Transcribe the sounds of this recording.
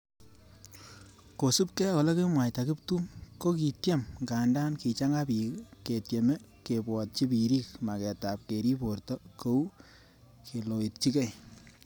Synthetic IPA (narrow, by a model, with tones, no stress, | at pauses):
ko˨su˦p̚kɛ˦o˨le˦ke˦mwa˨jta˨kɪ˦p̚tu˦mko˦ki˨tje˦mŋkaː˨nda˦nki˨t͡ʃa˦ŋa˦pi˨ke˨tje˨me˦ke˨bwɔ˨t̚t͡ʃi˦pi˨ɾiː˦kma˨kɛ˨ta˨p̚ke˨ɾi˦po˨ɾtɔ˦ko˦w | ke˨lo˨i˨t̚t͡ʃi˦kɛ˦j